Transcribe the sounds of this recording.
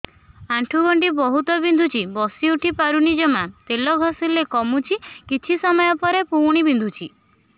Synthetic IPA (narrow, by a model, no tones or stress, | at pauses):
aʈʰuɡɔɳʈibɔɦut̪ɔbind̪ʱut͡ʃʰibɔsiuʈʰipaɾunid͡ʒɔmat̪elɔɡʱɔsilekɔmut͡ʃʰikit͡ʃʰisɔmɔjɔpɔɾepuwɽ̃ibind̪ʱut͡ʃʰi